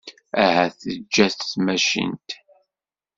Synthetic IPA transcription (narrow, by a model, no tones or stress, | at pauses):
æhæθəd͡ʒːæθθmæʃḭnt̪